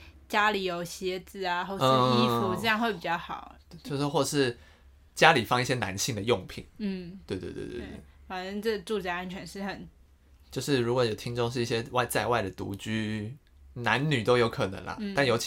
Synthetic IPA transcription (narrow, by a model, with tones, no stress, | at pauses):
t͡ɕja˥li˨˩jo˨˩ʊɕɛ˧˥t͡sɹ̩˥˩a˨˩xwo˥˧ʊ˥˧˥i˥fu˧ʈ͡ʂ̩˥˧jɑ˥˧ŋxwe˥˩ɪpi˨˩t͡ɕjɑ˥˩ʊxɑ˨˩˦ʊ˥t͡ɕjo˥˧ʊʂ̩˥˧xwɔ˥˩ə˨˩ʂɻ̩˥˩ | t͡ɕja˦˥li˨˩fɑ˥˧ŋi˥˩ɕjɛ˥na̰˧˦nɕi˥˩ŋd̪ə˩jʊ˥˩ŋpʰi˨˩˦ŋn̩˥˩t̪we˥˧ɪt̪wḛ˥˧t̪wḛ˥˧wḛ˥˩˥fa˨˩nə˥ŋʈ͡ʂɤ˥˩ɡə˩ʈ͡ʂu˥˧t͡ɕa˥˩a˥nt͡ɕʰɥɛ˧˥nʂɻ̩˥˩xə˨˩˦n | t͡ɕjo˥˧ʊʂɻ̩˥˩ɻu˧˥kwɔ˧˦jo˨˩ʊt̪ʰi˥ŋʈ͡ʂʊ˥˧ŋʂ̬ɻ̩˥˧i˥˩ɕjɛ˦wa˥˧ɪt͡sa˥˧ɪwa˥˩ɪd̪ə˩t̪ṵ˧˥t͡ɕy˥ | na˧˦nny˨˩t̪o˥ʊjo˧˥ʊkʰɤ˨˩nə̰˧˦ŋlɐ̰˨t̪a˥˩njo˧˥ʊt͡ɕʰ